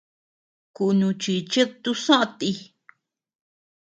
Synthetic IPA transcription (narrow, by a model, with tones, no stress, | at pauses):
ku˧nũ˧t͡ʃi˧t͡ʃe˦t̪u˦sã˦ʔã˧t̪i˧